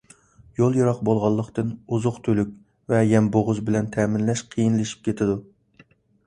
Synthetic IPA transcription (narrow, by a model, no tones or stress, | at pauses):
jolˠjɑɾɑqbolˠʁɑlˠːəqt̪ɨnuzʊqt̪ʰølykʲ | vɛjɛmboʁʊzbɪlɛnt̪ʰɛmɪnlɛʃqʰijinlɪʃi̥p̚kʲʰet̪ʰɪd̪u